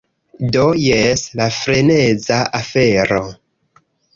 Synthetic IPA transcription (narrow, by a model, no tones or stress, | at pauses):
dojeslafɾene̞zaʔafe̞ɾo